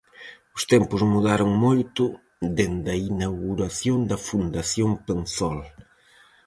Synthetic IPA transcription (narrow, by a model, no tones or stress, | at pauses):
ʊst̪empʊzmuðaɾoŋmojt̪ʊ | ðend̪ɐinawɣuɾɐθjond̪ɐfund̪ɐθjoŋpensɔl